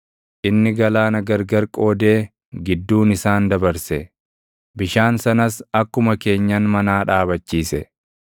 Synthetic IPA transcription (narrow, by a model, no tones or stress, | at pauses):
ʔɪnːɪɡɐlaːnɐɡɐɾɡɐɾkʼo̞ːd̪e̞ː | ɡɪd̪ːuːnɪsaːnd̪ɐbɐɾsɛ | bɪʃaːnsɐnɐsɐkːʊmɐke̞ːɲːɐnmɐnaːᶑaːβɐt͡ʃːiːsɛ